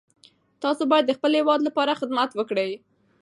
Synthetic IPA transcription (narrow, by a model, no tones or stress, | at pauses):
t̪ɑsobɑjad̪ːəxpəlhɪwɑd̪lapɑɾaxɪd̪mat̪wəkɽəj